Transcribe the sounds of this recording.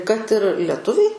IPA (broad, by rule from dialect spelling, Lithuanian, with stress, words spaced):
kɐt ɪr lʲɛˈtʊʋʲɛɪ